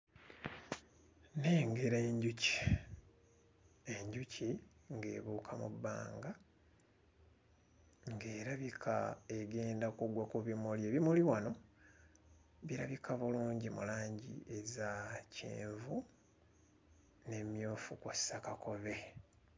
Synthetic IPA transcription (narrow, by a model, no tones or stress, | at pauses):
neːŋɡe̞ɾeɲɟuci̥ | e̞ɲɟucʰiŋɡe̞̰ːβuːkʰamṵbːa̰ːŋɡa | ŋɡe̞ːɾaβikʰaeɡe̞ːndakuɡwakuβimuljeβimuliwano̞ | βiɾaβikaβuluːɲɟimṵlaːɲɟḭezacḛːɱvu | ne̞mjoːfukusakakʰo̞βe̞